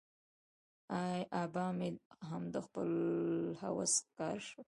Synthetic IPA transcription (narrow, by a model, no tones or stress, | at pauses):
ajʔabɑːmeɦamd̪əxpə̰lha̰wa̰skɑɾʃə